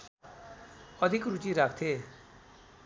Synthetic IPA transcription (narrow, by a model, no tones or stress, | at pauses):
ʌd̪ʱikɾut͡ʃiɾakʰt̪ʰe